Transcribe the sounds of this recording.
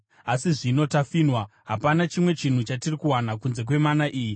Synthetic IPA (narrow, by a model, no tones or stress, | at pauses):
asiʐino̞tafiːnwaɦapanat͡ʃimwe̞t͡ʃin̤ut͡ʃatirikuwanakunze̞k̬we̞manaʔiːji